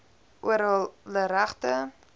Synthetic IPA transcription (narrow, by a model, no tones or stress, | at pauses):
ʔuəɾəlˠləɾæχtə